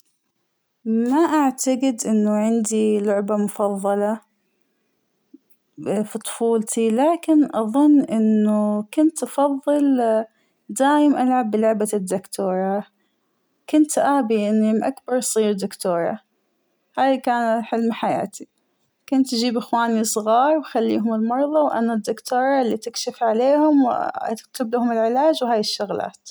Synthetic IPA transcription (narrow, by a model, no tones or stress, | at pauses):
maʔaʕt̪aɡɪd̪ʔɪnːʊʕɪnd̪ilʊʕbamʊfɑðˤːɑlɑ | fit̪ˤʊ̥fuːlt̪ʰilaːkɪnʔɑðˤʊnːʔɪnːʊkʊnt̪ʔɑfɑðˤːɨl | d̪aːjɪmʔalʕabːɪlʊʕbad̪ːʊkt̪ʰoːɾˤɑ | kʊnt̪ʔaːbiʔɪnːimʔakbɑɾˤsˤiːɾd̪ʊkt̪oːɾˤɑ̰ | haːjkaːnħɪlmħaja̰ːt̪i | kʊnt̪d͡ʒiːbʔɪxwaːnisˤɣɑːɾˤwxalːiːɦʊmɪlmɑɾˤðˤɑwʔa̰nad̪ːʊkt̪oːɾˤɑlːit̪ɪkʃɪfʕaleːhʊmwa̰kt̪ɪblahʊmɪlʕɪlaːd͡ʒwhaːjɪʃːʊɣla̰ːt̪